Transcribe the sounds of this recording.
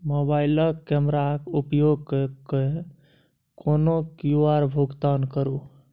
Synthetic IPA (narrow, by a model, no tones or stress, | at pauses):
mobaɪləkɛmɾakupjoɡ̚kke | konokjuaɾbʱuɡt̪ankəɾu